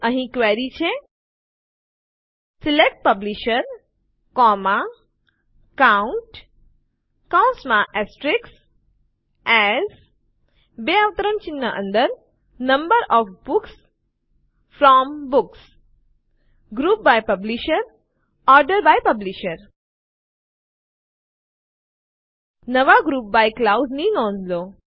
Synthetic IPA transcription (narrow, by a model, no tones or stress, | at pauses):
ə̃ɦĩkʋɛɾit͡ʃʰe | silek̚ʈ̚pəbliʃəɾ | kɔma | kãʊɳʈ | kaw̃nsmãʔɛsʈɾiks | ɛz | beaʋət̪əɾənt͡ʃinːəʔə̰̃nd̪əɾ | nɐ̃mbəɾɔːfbʊks | fɾɔmbʊks | ɡɾuːp̚bajpɐbliʃəɾ | ɔːɾɖəɾbajpəbliʃəɾ | nəʋaɡɾuːp̚bajklaʊdniːnɔ̃ːnloː